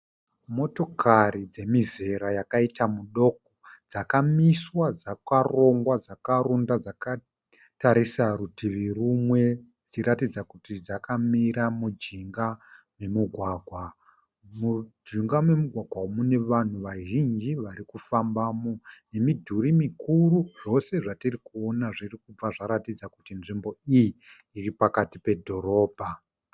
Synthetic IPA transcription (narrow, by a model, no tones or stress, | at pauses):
mo̞to̞kʰaɾid͡ze̞mize̞ɾajakaitamuɗo̞kod͡zakamiswad͡zakaro̞ŋɡwad͡zakaɾundad͡zaka | taɾisaɾutʰiʋirumwe̞ | d͡ziɾatid͡zakutid͡zakamiɾamud͡ʒiŋɡa | me̞muɡʱwaːɡʱwa | mud͡ʒiŋɡamwe̞muɡʱwaɡʱwaomune̞ʋan̤uʋaʒind͡ʒiʋaɾikufambaːmone̞midʱuɾimikuɾuʐo̞se̞ʐatirikuo̞naʐirikub͡vaʐaɾatid͡zakutinʐimbo̞ijiː | ripakatipe̞dʱo̞ɾo̞ːbʱa